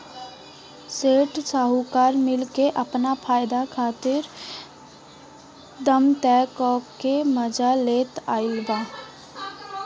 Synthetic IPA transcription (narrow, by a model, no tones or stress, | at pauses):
seːʈsaɦukaːɾmɪlkeʔəpnapʰaːjɪd̪akʰaːt̪ɪɾ | d̪əmt̪ɛːkɔːkːeməd͡ʒaleːt̪aːɪlbaː